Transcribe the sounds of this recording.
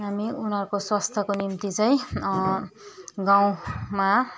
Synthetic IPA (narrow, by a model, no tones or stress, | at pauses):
ɦamiunʌɾukoswast̪ʰʌkonimt̪it͡sʌĩ | ɡaw̃ma